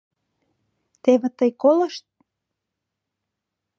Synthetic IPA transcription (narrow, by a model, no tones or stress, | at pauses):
t̪eβĕt̪əjkolə̆ʃt̪̚